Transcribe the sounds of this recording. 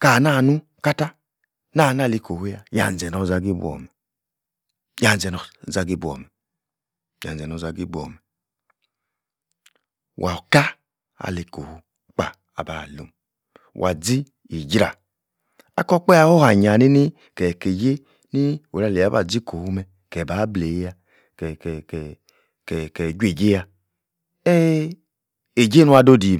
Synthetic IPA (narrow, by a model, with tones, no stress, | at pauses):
ka˨na˦˨nu˦ | ka˦ta˦ | na˦˨n˦a˦˨li˧ko˨hu˦ja˧ja̰˨n˨d͡zɛ˨nɔ˧˨za˧ɡi˦bɔ̰˨mɛ˨ | ja˨n˨d͡zɛ˨nɔ˨za˧ɡi˦bɔ̰˨mɛ˨ | ja̰˨d͡zɛ˨nɔ˧za˧ɡi˦bʷɔ̰˨mɛ˨ | wʔa̰˨ka˦ | a̰˨le˨˦ko˨hu˨˦ | k͡pa̰˨ | a˨ba˨lo̰˨m | wʔa˨d͡zi˦ | i˨d͡ʒɾa˨ | a˦kɔ˦k͡pɛ˦a˦ho˦ha˨ɲa˨ni˦ni˦ | kɛ˨ke˨je˦ | ni˦o˨ɾa˧˨le˨a˨˦ba̰˨d͡zi˦ko˨hu˦mɛ˨ | kɛ˨ba˨˦ble˨˦ja˧ | kɛ˨kɛ˨k | kɛ˨kɛ˨d͡ʒʷe˨d͡ʒe˦ja˧ | ɛ˦ | e˨d͡ʒe˦nu˦a˧do˦di˨